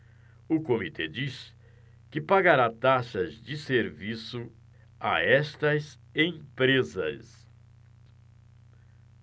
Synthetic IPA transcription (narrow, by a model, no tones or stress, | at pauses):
ʊkomit̪ed͡ʒis | kɪpaɡaɾat̪aʃɐzd͡ʒɪseɾvisʊ | a̰ɛst̪ɐz | ẽj̃pɾezɐ̰s